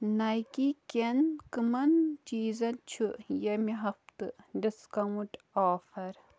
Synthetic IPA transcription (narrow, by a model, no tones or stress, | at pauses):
nɐjkikʲenkɨmɐnt͡ʃiːzɐnt͡ʃʰujɐmiɦɐft̪ɨɖiskɐwuʈ | aːfɐɾ